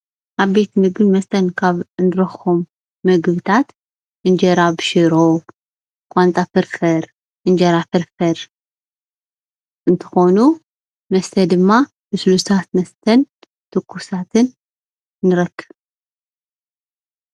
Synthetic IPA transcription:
ʔaβbe̞t̪mɨɡɨβmɐst̪ʰɐnkʰaβɨnd̪ɨɾɐxomː | ɨɡβɨt̪ʰat̪ | ʔɨnd͡ʒɐɾabɨʃɨɾo | kʼant̪ʼafɨɾfɐɾ | ʔɨnd͡ʒɐɾafɨɾfɐɾ | ʔɨnt̪ʰɨ̥xo̞nu | mɐst̪ʰɐd̪ɨmːa | bɨsɨlust̪ʰat̪mɐst̪ʰɐn | t̪ʰɨkʰːusat̪ʰɨnː | ɨɾɐkʰːɨβ

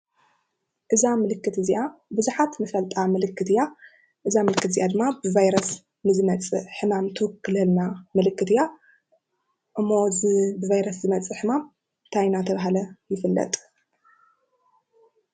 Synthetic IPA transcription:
ʔɨzamɨlɨkːɨt̪ɨziʔabɨzuħat̪mɨfɐlt̪ʼamɨlɨkːɨt̪ʰɨja | ʔɨzamɨlɨkːɨt̪zijʔad̪ɨmːabɨvajɾɐs | nɨzɨmɐt͡sʼɨħɨmamt̪ʰɨwɨkːɨlɨlnamɨlɨkːɨt̪ɨja | ʔɨmːobɨvajɾɐszɨmɐt͡sʼɨħɨmam | t̪ʰajnat̪ʰɐβaɦalɐjɪfɨlːɐ̰t̪ʼ

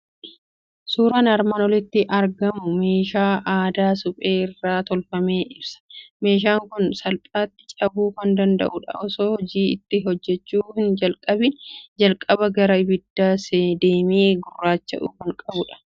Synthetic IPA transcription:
suːɾɐnɐɾmɐnɔlɪt̪ːɪʔɐɾɡɐmʊme̞ːʃaːʔaːd̪aːsʊpʼe̞ːɪrːaːt̪ɔlfɐme̞ːʔɪbsɐ̥me̞ːʃ̬aːŋkʊnsɐlpʼaːt̪ːɪ̥t͡ʃʼɐbuːkɐnd̪ɐnd̪ɐ̰ʔʊᶑɐ̰ʔɔsoːhɔd͡ʒiːɪt̪ːɪɦɔd͡ʒːɛt͡ʃːuːhɪnd͡ʒɐlkʼɐbɪnd͡ʒɐlkʼɐbɐɡɐɾɐɪbɪd̪ːaːseːd̪e̞ːmeːɡʊrːaːt͡ʃːɐ̰ʔuːkɐŋkʼɐbʊᶑɐ̥

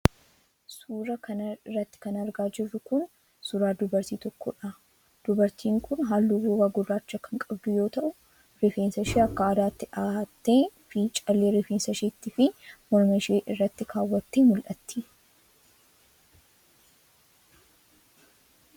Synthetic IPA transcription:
suːɾɐkɐnɐrːɐt̪ːɪ̥kɐnɐɾɡaːd͡ʒɪrːʊkʊn | sʊɾaːd̪ʊbɐɾt̪iːt̪ɔkːɔᶑɐ | d̪̥ʊbɐɾt̪ʰiːŋkʰʊnɦaːlːuːɡuːɡaɡʊrːaːt͡ʃːɐkɐŋkʼɐbd̪ʊjo̞ːt̪ɐʔʊ | ɾɪfeːnsɐʃeːɐkːɐaːd̪aːt̪ːɪaːt̪ːeːfiːt͡ʃʼɐlːeːɾɪfeːnsɐʃeːt̪ːɪfɪmɔɾmɐʃeːʔɪrːɐt̪ːɪkʰaːwːɐt̪ːeːmʊlʔɐt̪ːi

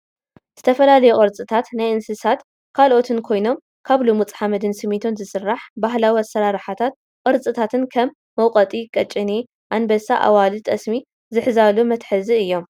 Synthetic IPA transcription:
z̥ɨ̥t̪ʰɐfɐlalɐjuqʼɨɾt͡sʼɨt̪ʰat̪najʔɨnsɨsat̪ | kʰalʔo̞t̪ʰɨnkʰo̞jno̞m | kʰaβlumut͡sʼħamɐd̪ɨnsɨmit̪ʰonzɨsɨrːaħbaɦlawɐsɐɾaɾħat̪ʰat̪̚ | qʼɨɾt͡sʼɨt̪ʰat̪ʰɨnkʰɐmːɐwqʼɐt̪ʼikʼɐt͡ʃʼːɨni | ʔanbɐsaʔa̰walɨt̪ʼɐsmi | zɨħzalumɐt̪ħɨziɨjːo̞m

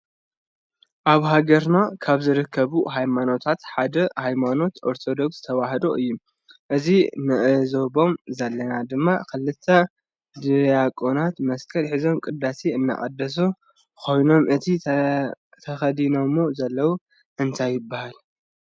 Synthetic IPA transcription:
ʔaβɦaɡɐɾnakʰaβzɨɾɨkʰːɐβuɦajmano̞t̪ʰat̪ħad̪ɐhajmano̞t̪ʔo̞ɾt̪ʰo̞d̪o̞ksz̥ɨt̪ʰɐwaɦɐd̪oʔɨjːu | ʔɨzinɨʔɨzo̞bo̞mzɐlːɐnad̪ɨmːa̰kʰɨlːɨt̪ʰːɐ | d̪ɨjakʼonat̪mɐskʼʰɐlħizo̞mkʼɨd̪ːaseɨnːa̰χʼɐd̪ːɐs̬u | kʰo̞jno̞mʔɨt̪ʰi | t̪ʰɐxɐd̪ino̞mːozɐlːɐwu | ʔɨnt̪ʰajːɪbːahal

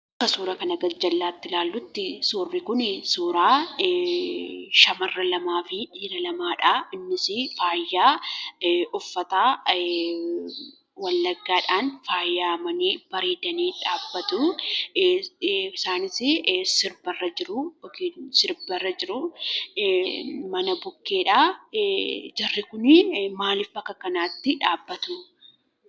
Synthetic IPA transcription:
ɐɐkːɐsuːɾɐkɐnɐɡɐd͡ʒɐlːaːt̪ːɪlaːlːʊt̪ːɪsuːrːɪkʊnɪsuːɾaː | ʃɐmɐrːɐlɐmaːfɪᶑiːɾɐlɐmaːᶑaɪnːɪsɪfaːjːaː | ʔʊfːɐt̪aː | wɐlːɐɡːaːᶑaːnfaːjːaːmɐniːb̥ɐɾiːd̪ɐniːᶑaːbːɐt̪ʊ | ɪsaːnɪsɪsɪɾbɐrːɐd͡ʒɪɾʊɔkiːsɪɾbɐrːɐd͡ʒɪɾʊ | mɐnɐbʊkːe̞ːᶑaː | d͡ʒɐrːɪkʊnɪmaːlɪfbɐkːɐkɐnaːt̪ːɪᶑaːbːɐt̪ʊ

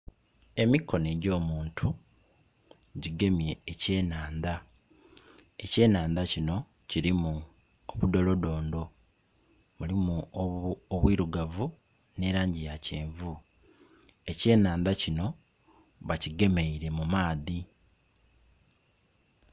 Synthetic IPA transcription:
e̞mikːo̞neːɟo̞ːmuːntʰu | ɟiɡe̞mje̞ːce̞ːnaːnd̪a | e̞ce̞ːnaːnd̪acino̞ | ciɾimu | oβudo̞lo̞do̞ːndo̞ | mulimu | oβwiːɾuɡavu | ne̞ːɾaːɲɟijaceːɱvu | e̞ce̞ːnaːnd̪acino̞ | βaciɡe̞me̞iɾe̞mumaːði

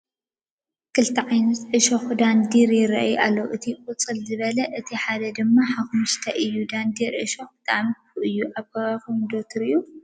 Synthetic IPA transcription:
kʰɨlt̪ʰiʕajnɐt̪ʔɨʃoxd̪and̪iɾjɪɾɐ̰ʔjʔalːowʔɨt̪ʰiqʼut͡sʼɨlzɨβɐlɐʔɨt̪ʰiħad̪ɐd̪ɨmːaħaxumɨst̪ʰɐʔɨjːud̪and̪iɾʔɨ̰ʃoxb̥ɨt̪ʼa̰ʕmikuʔɨjːuʔaβɡɐβakumd̪ot̪ʰɾɨjːu

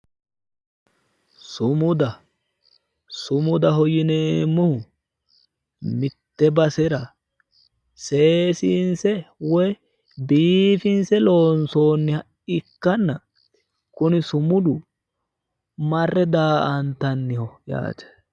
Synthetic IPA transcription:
sʊmʊd̪ɐ | sʊmʊd̪ɐɦɔjɪneːmːʊhʊ | mɪt̪ːɛbɐsɛɾɐ | seːsiːnsɛwɔj | biːfɪnsɛlo̞ːnso̞ːnːɪhɐ | ɪkːɐnːɐ | kʊnɪsʊmʊd̪ʊ | mɐrːɛd̪aːʔɐnt̪ɐnːɪhɔja̰ːt͡ʃɛ̥

